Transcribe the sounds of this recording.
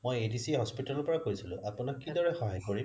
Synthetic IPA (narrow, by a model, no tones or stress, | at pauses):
mojedisiɦɔspitɔlʊpɔɹakojsilʊ̰̃ʔapʊnakːidɔɹɛxɔɦajkoɹim